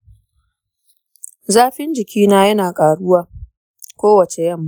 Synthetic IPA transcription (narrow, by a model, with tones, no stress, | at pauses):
zaː˦ɸɪ˦nd͡ʒɪ˨kʲiː˦naː˦jɐ˦naː˨kʼaː˨ɽʊ˦waː˦ | kʷoː˦wɐ˨t͡ʃe˨jɐ˦mːa˦